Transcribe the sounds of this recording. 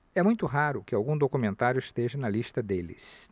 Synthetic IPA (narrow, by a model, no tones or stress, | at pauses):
ɛmũj̃t̪ʊɦaɾʊkɪawɡũd̪okumẽnt̪aɾjʊist̪eʒɐnɐlist̪ɐd̪elɪ̰s